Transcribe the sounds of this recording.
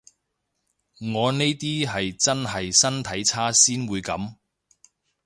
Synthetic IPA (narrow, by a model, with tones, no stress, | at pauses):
ŋɔː˨˧ne˥jt̪iː˥ɦɐ˨jt͡sɐ˥nhɐ˨jsɐ˥nt̪ʰɐ˨˥jt͡sʰaː˥siː˥nwuː˨˧jkɐ˨˥m